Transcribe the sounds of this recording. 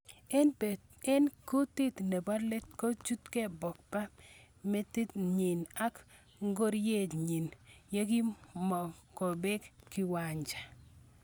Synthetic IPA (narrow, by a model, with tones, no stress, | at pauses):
e˦nku˦ti˦t̪ne˨ba˦le˦tko˦t͡ʃu˦t̪ke˦bɔ˨k̚pa˦ | me˦ti˦tɲi˨na˦k | ŋɡo˦ɾje˦˨d͡ʒɲi˨nje˦ki˦mɔ˨ko˨be˦kkːi˨˦wa˨ɲd͡ʒa˨